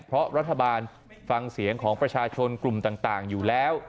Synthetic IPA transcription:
pʰɾɔ˦˥ɾa˦˥t̪ʰːa˧baː˧n | fa˧ŋsi˩˦əŋkʰɔː˩˦ŋpɾa˧t͡ɕʰaː˧t͡ɕʰo˧nklu˨˩mt̪aː˨˩ŋt̪aː˨˩ŋjuː˨˩lɛː˦˥w

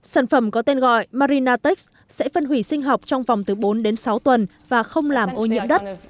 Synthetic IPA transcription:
saː˧˩nfə˧˩mkɔ˨˦t̪e˧nɣɔ̰˧˨jmaː˧ɾi˧naː˧t̪i˦˥k̚s | sɛ̰˧˥fə˧nɦwi˧˩sï˧ŋ̟ɦa˨˩wk͡p̚t͡ɕɔ˧wŋ͡mva˨˩wŋ͡mt̪ɨ˨˩ɓo˨˦nɗe˨˦nsa˨˦wt̪wə˨˩n | vaː˨˩xə˧wŋ͡mlaː˨˩mʔo˧ɲḭ˧˥əmɗə˦˥t̚

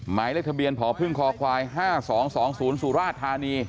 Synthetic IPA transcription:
maː˩˦jle˥˩k̚t̪ʰa˧bi˧ənpʰɔː˩˦pʰɯ˥˩ŋkʰɔː˧kʰwaː˧jɦaː˥˩sɔː˩˦ŋsɔː˩˦ŋsuː˩˦nsu˨˩ɾaː˥˩t̪ʰːaː˧niː˧

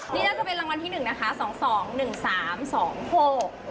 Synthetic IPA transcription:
niː˥˩naː˥˩t͡ɕa˨˩pe˧nɾa˧ŋwa˧nt̪ʰiː˥˩nɯ˨˩ŋna˦˥kʰa˦˥sɔː˩˦ŋsɔː˩˦ŋnɯ˨˩ŋsaː˩˦msɔː˩˦ŋho˨˩k̚

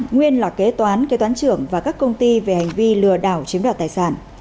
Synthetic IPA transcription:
ŋwi˧ənlaː˨˩ke˨˦t̪waː˨˦nke˨˦t̪waː˨˦nt͡ɕɨ̰˧˩əŋvaː˨˩kaː˦˥kːə˧wŋ͡mt̪i˧ve˨˩ha˨˩ŋ̟vi˧lɨ˨˩əɗaː˧˩wt͡ɕi˨˦nwaː˧˩t̪aː˨˩jsaː˧˩n

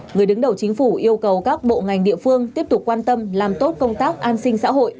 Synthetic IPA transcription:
ŋɨ˨˩əjɗɨ˨˦ŋɗə˨˩wt͡ɕï˨˦ŋ̟fu˧˩ʔi˧əwkə˨˩wkaː˦˥k̚ɓo̰˧˨ŋa˨˩jŋɗḭ˧˨əfɨ˧əŋt̪i˦˥əp̚t̪ʊ˨˩k͡p̚kwaː˧nt̪ə˧mlaː˨˩mt̪o˦˥t̚kə˧wŋ͡mt̪aː˦˥k̚ʔaː˧nsï˧ŋ̟sa̰ː˧˥ɦo̰˧˨jʔ

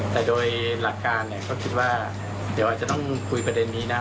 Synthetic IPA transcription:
t̪ɛː˨˩doː˧jla˨˩kːaː˧nːi˧˩˨kʰɔː˥˩kʰi˦˥t̪̚waː˥˩ | di˨˦ʔa˨˩t̚t͡ɕa˧t̪ɔ˥˩ŋkʰu˧jpɾa˧de˧nːiː˦˥na˦˥

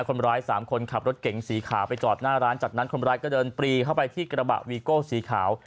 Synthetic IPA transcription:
kʰo˧nɾaː˦˥jsaː˩˦mkʰo˧nkʰa˨˩p̚ɾo˦˥t̪̚ke˩˦ŋsiː˩˦kʰaː˩˦wpa˧jt͡ɕɔː˨˩t̪̚naː˥˩ɾaː˦˥nt͡ɕa˨˩t̪̚na˦˥nkʰo˧nɾaː˦˥jkɔː˥˩dɤː˧npɾiː˧kʰa˥˩wpa˧jt̪ʰiː˥˩kɾa˧ba̰˨˩ʔwiː˧koː˥˩siː˩˦kʰaː˩˦w

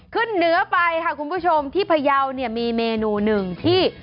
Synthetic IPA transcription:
kʰɯ˥˩nːɯ˦˥ɐpa˧jkʰa˥˩kʰu˧npʰuː˥˩t͡ɕʰo˧mt̪ʰiː˥˩pʰa˧ja˧wni˥˩ɐmiː˧meː˧nuː˧nɯ˨˩ŋt̪ʰiː˥˩

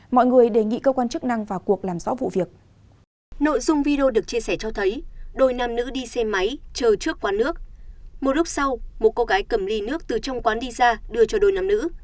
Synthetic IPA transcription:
mɔ̰˧˨jŋɨ˨˩əjɗe˨˩ŋḭ˧˨kəː˧kwaː˧nt͡ɕɨ˦˥k̚na˧ŋvaː˨˩ku˨˩ək̚laː˨˩mz̥ɔ˨˦vṵ˧˨vi˨˩ək̚ | no̰˧˨jzʊ˧ŋ͡mvi˧ɗe˧o˧ɗɨ˨˩ək̚t͡ɕi˧əsɛ˧˩t͡ɕɔ˧t̪ʰə˨˦jɗo˨˩jnaː˨˩mnɨ̰˧˥ɗi˧sɛ˧ma˨˦jt͡ɕəː˨˩t͡ɕɨ˦˥əkːwaː˨˦nɨ˦˥ək̚mo˨˩t̚lʊ˦˥k͡p̚sa˧wmo˨˩t̚ko˧ɣaː˨˦jkə˧˩mli˧nɨ˦˥ək̚t̪ɨ˨˩t͡ɕɔ˧wŋ͡mkwaː˨˦nɗi˧zaː˧ɗɨ˧ət͡ɕɔ˧˩ɗo˨˩jnaː˨˩mnɨ̰˧˥

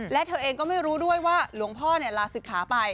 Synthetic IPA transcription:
lɛ˨˦˥t̪ʰɤː˧ʔeː˧ŋkɔː˥˩ma˥˩jɾuː˦˥du˥˩əjwaː˥˩lu˩˦əŋpʰɔː˥˩ni˥˩əlaː˧sɯ˨˩kʰːaː˩˦pa˧j

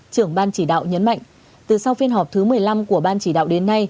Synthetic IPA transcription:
t͡ɕɨ˧˩əŋɓaː˧nt͡ɕi˧˩ɗa̰ː˧˨wɲə˨˦nma̰˧˨jŋ | t̪ɨ˨˩sa˧wfi˧ənɦɔ˨˩p̚t̪ʰɨ˨˦mɨ˨˩əjla˧mku˧˩əɓaː˧nt͡ɕi˧˩ɗa̰ː˧˨wɗe˨˦nːa˧j

